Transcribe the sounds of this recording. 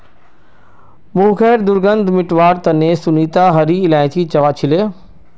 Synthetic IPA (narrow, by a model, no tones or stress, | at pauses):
mũːxɛːɾd̪ʊɾɡə̃nd̪ʱmɪʈʋaːɾt̪ɐnẽsʊniːt̪aɦɐɾiɪlaːɪ̃t̪ʰit͡ɕɐʋaːt͡ɕʰɪleː